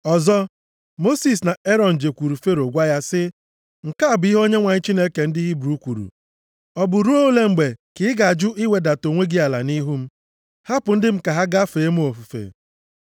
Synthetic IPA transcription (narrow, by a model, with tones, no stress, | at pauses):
ɔ˨zɔ˦ | mo˦si˨s̬na˨e˦ɾɔ˨n̩˨d͡ʒe˨kʷu˨ɾu˨fe˦ɾo˨ɡʷa˦ja˦sɪ˦ | ŋ̩˨ka˦a˨bʊ˨˦i˦ɦo˦ɲe˦ŋʷa˨ɲɪ˦t͡ʃi˦ne˦ke˨n̩˦dɪ˦ɦi˦bɾu˦kʷu˨ɾṵ˨ | ɔ˨bʊ˨ɾu˦o˦le˦ŋ͡m̩˨ɡ͡be˨kɪ˨˦ɡa˨d͡ʒʊ˦ʔi˦we˨da˨to˨ŋʷe˦ɡi˦a˨la̰˨ni˦ɦu˦m̩˦ | ha˦pʊ˨n̩˦dɪ˦m̩˦ka˨ɦa˦ɡa˦feː˨e˦m̩˦o˨fu˨fḛ˨